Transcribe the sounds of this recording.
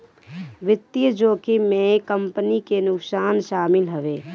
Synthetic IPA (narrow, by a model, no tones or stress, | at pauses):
ʋɪt̪ːijd͡ʒoːkimẽkəmpənikenʊksaːnʃaːmɪlɦəʋeː